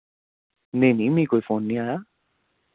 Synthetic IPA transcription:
nenĩmĩkojfonːĩaja

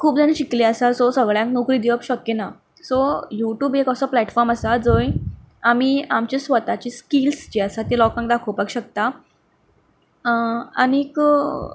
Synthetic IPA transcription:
kʰuːp̚d͡zaniɕikliəsasɔsəɡɭjãŋknokɾiːd̪iʋəpɕəkːena | sojuʈjuːbekəsəplæʈfɔɾməsad͡zoj | am̤iamt͡ɕesʋət̪at͡ɕiːskilsd͡ʑiəsat̪elɔkãŋk̚d̪akʰəwpaɡɕək̚t̪a | a̰ñik

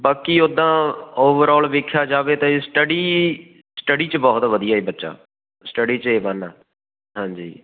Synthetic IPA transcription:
baːkiʊd̪ːãːoːʋəɾɔːlʋɪkʰːjaːd͡ʒaːʋeːt̪ãːesʈəɖiː | sʈəɽiːt͡ʃbɔːt̪ʋəd̪ijaːeːbətːʃa̰ː | sʈəɖiːt͡ʃeːbənaː | ɦãːd͡ʒḭː

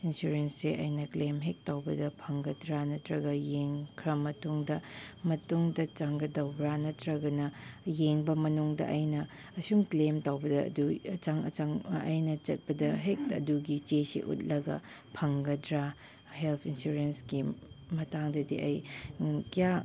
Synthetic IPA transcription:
insuɾensseʔɐ̰jnɐklemɦek̚tawbɐdɐpʰɐŋɡɐdɾanɐtʰɾɐɡɐjeŋkʰɾɐmɐtuŋdɐmɐtuŋdɐt͡ʃaŋɡɐdɐwbɾanɐtɾɐɡɐnɐjeŋbɐmɐnuŋdɐ̰ʔɐjnɐ | ɐsumklemtawbɐdɐɐ̰duɐt͡ʃaŋɐ̰t͡ʃaŋɐ̰jnɐt͡ʃɐt̚pɐdɐɦek̚ɐ̰duɡit͡ʃesḭʔṵt̚lɐɡɐ̰ | pʰɐŋɡɐdɾa | helpʰinsuɾensɡimɐtaŋdɐdiɐjkija

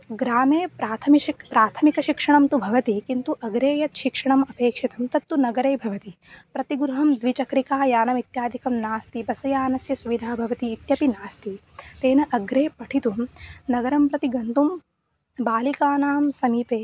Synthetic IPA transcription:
ɡɾaːmeːpɾaːt̪ʰɐmiʃipɾaːt̪ʰɐmikɐʃikʂɐɳɐmt̪ubʱɐʋɐt̪ikint̪uʔɐɡɾeːjɐt̪ʃikʂɐɳɐmɐpeːkʂit̪ɐmt̪ɐt̪ːunɐɡɐɾeːbʱɐʋɐt̪i | pɾɐt̪iɡɾuɦɐmd̪ʋit͡ʃɐkɾikaːjaːnɐmit̪jaːd̪ʱikɐmnaːst̪ibɐsɐjaːnɐsjɐsuʋid̪ʱaːbʱɐʋɐt̪iːt̪jɐpinaːst̪i | t̪eːnɐʔɐɡɾeːpɐʈʰit̪umnɐɡɐɾɐmpɾɐt̪iɡɐnt̪um | baːlikaːnaːmsɐmiːpeː

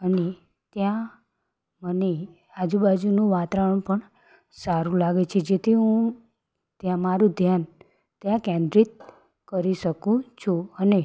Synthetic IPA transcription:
əne | t̪jã | məne | ad͡ʒubad͡ʒunũʋat̪aʋəɳ̃pəɳ | saɾũlaɡet͡ʃʰed͡ʒet̪ʰiɦũ | t̪jãmaɾũd̪ʱjan | t̪jãkɛ̃nd̪ɾit̪̚ | kəɾiʃəkũt͡ʃʰuəne

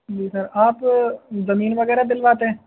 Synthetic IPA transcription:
d͡ʒiːsɐɾaːpzɐmiːnʋɐɣɛːɾad̪ɪlʋaːt̪eɦɛ̃ː

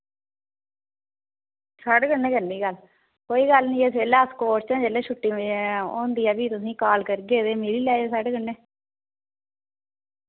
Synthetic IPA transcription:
saɖɡənːẽːkənːiːɡəl | koːiːɡəlnĩːeːseːlaːskoːɾt͡ʃɛ̃ːd͡ʒeːleːʃʰʊʈːiːmõ̰ːnd̪iːɛːbiːt̪ʊsĩːkaːlkəɾɡeːd̪eːmɪɾiːlɛːd͡ʒeːsaɖɡənːẽː

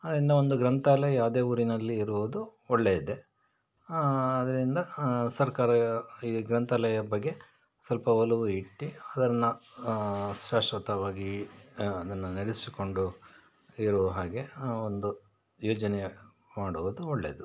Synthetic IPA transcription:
ɐd̪ɐɾind̪ɐo̞nd̪uɡɾɐnt̪ʰaːlɐjɐjaːwd̪e̞ːuːɾinɐlːiːɾuʋod̪uɔɭːeːid̪e̞ | d̪ɐɾind̪ɐsɐɾkaːɾɐiɡɾɐnt̪ʰɐlɐjɐbɐɡːe̞ | sɐlpɐʋɐluʋuiʈːiɐd̪ɐɾɐnːɐ | ʃaːʂʋɐt̪ɐʋaːɡi | ɐd̪ɐnːunɐɽisi̥ko̞ɳɖu | iɾuʋɦaːɡe̞ond̪u | joːd͡ʒɐne | maːɽuʋɐd̪uɔɭːeːd̪u

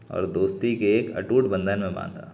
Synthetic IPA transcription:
ɔ̰ːɾd̪oːst̪ikeeːkɐ̰ʈuːʈbə̃nd̪ʱənmẽbã̰ːnd̪a̰ː

